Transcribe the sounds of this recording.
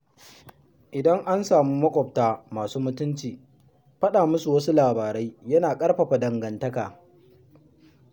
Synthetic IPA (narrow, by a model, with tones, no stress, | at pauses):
ʔɪ˨dɐ˦ŋʔa˦nsaː˨muː˦mɐ˦kʷʼɔ˨p̚taː˦maː˨suː˦mʊ˦tʊ˦nt͡ʃiː˨ | ɸɐ˦ɗaː˨mʊ˦su˨wɐ˦su˦laː˨baː˨ɾe˦jjɐ˦naː˨kʼɐ˦rɸɐ˨ɸa˨dɐ˨ŋɡɐ˨ntɐ˦ka̰ː˨